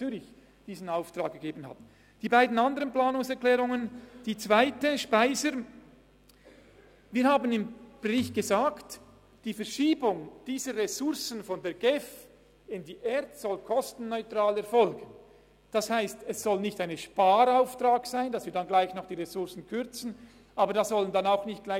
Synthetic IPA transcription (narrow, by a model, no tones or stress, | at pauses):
t͡syːɾɪç | d̥iːzn̩aʊftʁaːk̚ɡ̥eɡeːbən̩ha̰t | d̥iːbaɪdn̩andəʁənplaːnʊŋsɛɐklɛːʁʊŋənd̥iːt͡sv̥aɪtəʃpaɪzəɾ | viːhaːbənɪmb̥ʁɪçɡ̥əzaːkt | d̥iːfɛɾʃiːbʊŋd̥iːzəʁesʊɾsn̩fɔndeːɐɡɛf | ɪndiːʔɛtz̥ɔlkʰɔstn̩nɔʏtʁ̥aːlɛɐɾfɔlɡən | d̥ɑshaɪstɛsz̥ɔlnɪçtaɪnəʃpaːɾaʊftraːksaɪnd̥ɑsv̥ɪːɐdanɡlaɪçnɔχd̥iːʁesʊʁsn̩kʰʏɾt͡sn̩ | ʔaːbəɾdaszɔləndanaʊxnɪçt̚ɡ̥laɪ